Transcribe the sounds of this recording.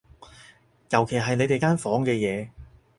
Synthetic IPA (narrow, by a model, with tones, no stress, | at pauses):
jɐ˨˩wkʰe˨˩jɦɐ˨jne˨˧jt̪e˨jkaː˥nfɔː˨˥ŋkɛː˧jɛː˨˧